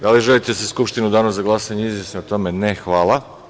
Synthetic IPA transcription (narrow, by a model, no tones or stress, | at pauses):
d̪aliʒelit̪easeskupʃt̪inud̪anoszzaɡlˠasaɲeizjesnoot̪o̞menexʋaːlˠa